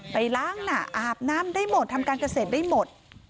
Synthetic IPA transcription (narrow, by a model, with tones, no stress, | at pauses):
pa˧jlaː˦˥˩ŋna˨˩ʔaː˨˧˩p̚naː˦˥mdaː˥˩jmo˨˩t̪ʰːa˧mkaː˧nka˧seː˨˩t̪̚daː˥˩jmo˨˩t̪̚